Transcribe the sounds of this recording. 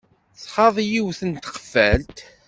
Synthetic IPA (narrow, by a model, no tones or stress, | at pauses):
θχɑðˤjiwθənt̪qə̥fːælt̪